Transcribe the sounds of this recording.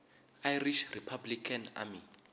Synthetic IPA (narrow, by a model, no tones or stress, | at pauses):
ajriʃripʰablikʰana̰mi